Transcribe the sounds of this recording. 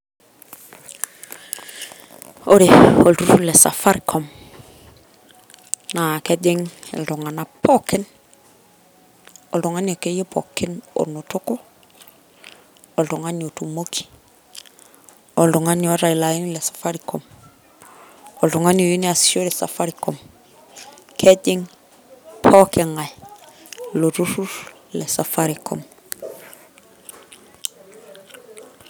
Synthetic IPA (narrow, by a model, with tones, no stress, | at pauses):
o˦ɾe˨o˨ltu˦ɾu˦lɛ˨sa̰˨fa˦ɾi˨kʰɔ˦m | na˨kɛ˦d͡ʒe˦ŋḛ˨ldo˨ŋa˨na˨pɔ˦kɪ˦n | o˨ldo˨ŋa˦n˨o˨ke˦je˦pʰɔ̰˨kɪ˦no̰˨no˨tʊ˦ko˦ | o˨lto˨ŋa˦ni˨o˨tu˨mo˦kʰi̥˦ | ɔ˨ldo˨ŋa˦nɔ˦ɾa˨i˨la˨i˦nlɛ˨sḁ˨fa˦ɾikɔ˨m | ɔ˨lto˨ŋa˦njo˨ji˦ni˦a˨so˦lɛ˨sa̰˨fa˦ɾikɔ˨m | kʰɛ˦ɟɪ˦ŋ | pʰɔ˦kɛ˨ŋa˨j | lo˨ɾu˦ɾu˦ɾlɛ˨sa˨fa˦ɾikɔ̰˨m